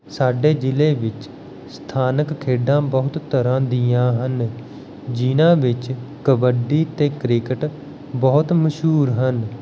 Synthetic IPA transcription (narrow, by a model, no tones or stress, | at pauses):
saːɖeːd͡ʒɪleːʋɪt͡ʃ | st̪ʰaːnəkkʰeːɖãːbəɦʊt̪t̪əɾãːd̪ɪjãːɦən | d͡ʒiːnãːʋɪt͡ʃkəbəɖiːt̪eːkɾɪkəʈ | bɔːt̪məʃɦuːɾɦən